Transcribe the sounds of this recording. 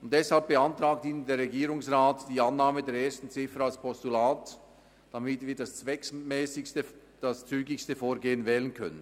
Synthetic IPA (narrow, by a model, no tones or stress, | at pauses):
ʊntd̥ɛshalp̚b̥əantʁaːk̚tiːnəndeːɾʁɛɡiːɾʊŋsraːtd̥iːanːaːmədeːɾeːɐstn̩t͡sɪfəɾalspʰɔstulaːt | d̥amɪtv̥iːdast͡svɛksmɛːsɪtə | d̥ast͡syːɡɪçstəfoːɾɡeːənvɛːlənkʰœ̰nən